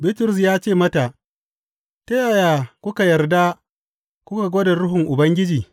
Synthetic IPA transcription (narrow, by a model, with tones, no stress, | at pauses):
bɪ˦tʊ˨ɾʊ˨s̬jaː˦t͡ʃeː˦˨mɐ˦ta˨ʔ | tɐ˦ja˨ja˨kʷʊ˦ka˨jɐ˨rda˦ | kʷʊ˦ka˨ɡʷoː˦da˨ɽʊ˦ɦʊ˨ŋʔʊ˨bɐ˦ŋɡʲɪ˦d͡ʒiː˨